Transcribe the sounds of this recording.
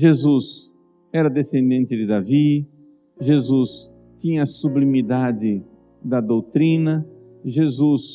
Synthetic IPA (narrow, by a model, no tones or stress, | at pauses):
ʒezus | ɛɾɐd̪esẽnd̪ẽnt̪ɪd̪ɪd̪avi | ʒezus | t͡ʃ̪ĩɲɐːsublimid̪ad͡ʒɪ | d̪ɐd̪owt̪ɾĩnɐ | ʒezus